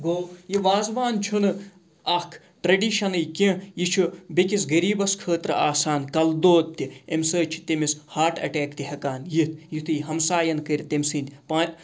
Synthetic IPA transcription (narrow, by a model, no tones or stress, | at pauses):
ɡoːjiʋaːzʋaːnt͡ʃʰunɨ | ɐkʰ | ʈɾɐɖiːʃɐnɨjkẽjit͡ʃʰubikis̬ɡɐɾiːbɐskʰəːt̪ɾaːsaːnkɐld̪oːt̪̚t̪iemsəːt͡ʃʰi̥t̪imishaːʈɐ̰ʈeːkt̪iɦɐkaːnjit̪jit̪ʰɨjɦɐmsaːjɐnkɐɾʲt̪emsiːnʲt̪ʲpaːt̪